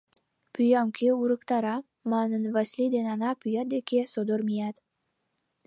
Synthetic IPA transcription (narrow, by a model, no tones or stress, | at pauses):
pyjɑmkʲeuɾəkt̪ɑɾɑ | mɑnənvasʲlid̪enɑnɑpyjɑt̪̚d̪ekʲesod̪oɾmijɑt̪